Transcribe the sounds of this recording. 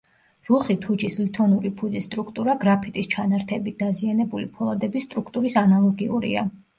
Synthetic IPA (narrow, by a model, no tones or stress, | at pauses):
ɾuχit̪ʰud͡ʒislit̪ʰɔnuɾipʰud̪zisːt̪ʼɾukʰt̪ʼuɾaɡɾapʰit̪ʼist͡ʃʰanaɾt̪ʰɛbit̪̚d̪azianɛbulipʰɔlˠad̪ɛbist̪ʼɾukʰt̪ʼuɾisanalˠɔɡiuɾḭa̰